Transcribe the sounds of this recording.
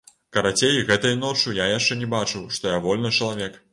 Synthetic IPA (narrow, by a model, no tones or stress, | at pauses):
kɐɾat͡sʲejɣɛt̪ɐjnɔt͡ʂujajaʂt͡ʂɛnʲɛbat͡ʂɨwʂt̪ɔjavɔlʲnɨt͡ʂɐlˠavʲɛk